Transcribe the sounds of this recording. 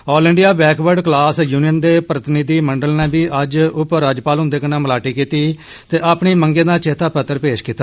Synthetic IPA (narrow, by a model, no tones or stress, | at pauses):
ɔːlɪɳɖijaːbɛːkʋəɾɖklaːsjuːnijənd̪eːpɾət̪ɪnid̪iːməɳɖəlnẽːbiːʔəd͡ʒʊpəɾːaːd͡ʒpaːlɦʊ̃nd̪eːkənãːməlaːʈiːkiːt̪iː | t̪eːʔaːpɳiːməŋɡẽːd̪ãːt͡ʃeːt̪aːpət̪ːəɾpeːʃkiːt̪ːa